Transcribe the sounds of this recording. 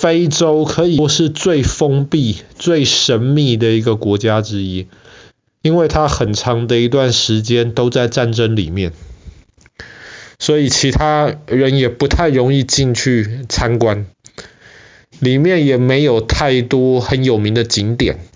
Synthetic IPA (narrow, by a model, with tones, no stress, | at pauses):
fe˥ɪʈ͡ʂo˥ʊkʰɤ˧˥i˨ʊʂɻ̩˥˧t͡swe˥˩ɪfɤ˥ŋpi˥˩t͡swe˥˩ɪʂə˧˥nmi˥˩d̪ə˨˩i˧˥ɡə˧kwɔ˧˥t͡ɕja˥˦ʈ͡ʂɻ̩˥i˦˥ | i˥nwe˥˩ɪt̪ʰa˦˥xə˨˩nʈ͡ʂʰɑ˧˦˥ŋd̪ə˨i˧˥t̪wa˥˩nʂɻ̩˧˥t͡ɕjɛ˦nt̪o˥ʊt͡sa˥˧ɪʈ͡ʂa˥˩nʈ͡ʂə˥ŋli˨˩mjɛ˥˩n | swɔ˧˥i˨˩t͡ɕʰi˧˥t̪ʰa˥ɻə˧˦njɛ˨˩pu˧˥t̪ʰa˥˩ɪɻo˧˥ŋi˥˧t͡ɕi˥˧ŋt͡ɕʰy˥˩t͡sʰa˥nkwa˦n | li˨˩mjɛ˥˩njɛ˨˩me˧˥ɪjo˨˩ʊt̪ʰa˥˩ɪt̪wɔ˥xə˨˦njo˨˩ʊmi˧˥ŋd̪ə˧t͡ɕi˧˥ŋt̪jɛ̰˨˩˦n